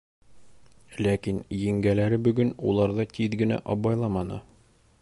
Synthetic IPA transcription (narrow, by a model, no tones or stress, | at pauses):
lækinjɘ̆ŋɡælæɾɘbɵ̆ɡɵnulˠɑɾðɤt̪iðɡɘ̆næ̰ʔɒbɑjlˠɑmɑnɤ̰